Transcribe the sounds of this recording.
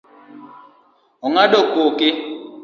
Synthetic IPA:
oŋaɗɔkokɪ

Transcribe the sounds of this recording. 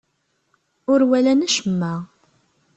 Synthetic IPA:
ʊɾwælænæʃəmːa

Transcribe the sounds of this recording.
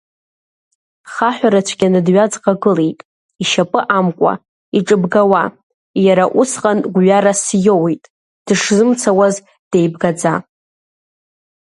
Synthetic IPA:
χaħʷᶣaɾat͡ʃʷʰɡʲanɨdɥad͡zqʼaɡɨlejtʼ | iʃapʼɨʔamkʷʼa̰ | iʈ͡ʂʼɨbɡawa | jaɾaʔusqʼanɡʷɥaɾasjowejtʼ | d̥ɨʂzɨmt͡sʰawaz | d̥ejbɡad͡za

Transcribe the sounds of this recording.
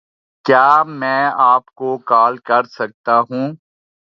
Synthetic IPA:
kjaːmɛ̃ːaːpkokaːlkɐɾsɐk̚t̪aɦũː

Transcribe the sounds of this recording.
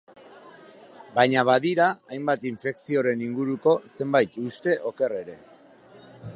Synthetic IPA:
bajɲaβaðiɾaajmbat̪iɱfe̞ksioɾe̞niŋɡuɾuko̞se̞mbajt̪ust̪e̞ʔo̞ke̞re̞ɾe̞

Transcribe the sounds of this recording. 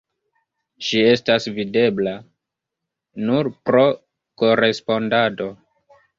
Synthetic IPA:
ʃie̞stasvide̞bla | nuɾpɾo̞ | ko̞ɾe̞spo̞ndado̞

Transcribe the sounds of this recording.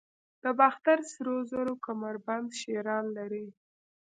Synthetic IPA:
d̪̥əbaxt̪aɾsɾozaɾokamaɾband̪ʃeɾɑnlaɾi

